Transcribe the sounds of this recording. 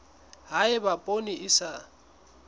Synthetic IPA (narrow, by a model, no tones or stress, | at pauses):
ɦaɪbapʼoniʔɪsa